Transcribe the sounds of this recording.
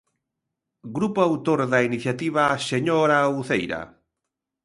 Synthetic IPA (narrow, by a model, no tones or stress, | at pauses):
ɡɾupoawt̪oɾðainiθjat̪iβ̞aseɲoɾauθejɾa̰